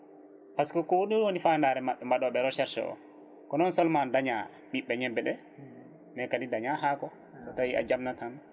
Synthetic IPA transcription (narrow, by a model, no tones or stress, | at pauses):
paskɔkɔwoɗuwonifandaɾɛmaɓːɛmbaɗɔɓɛɾɔʃɛɾʃɛ̰ʔɔ̰ | kɔnɔnsɔlmandaɲa | ɓiɓːɛɲɛbːɛɗɛ | mɛkadidaɲaɦakɔ | kɔtawiʔa̰d͡ʒamnatan